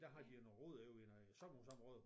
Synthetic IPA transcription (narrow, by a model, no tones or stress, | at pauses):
d̥æɦɑ̈d̥ienʁɔð̰ˠjoen | sɒmsɑmʁɔðˠ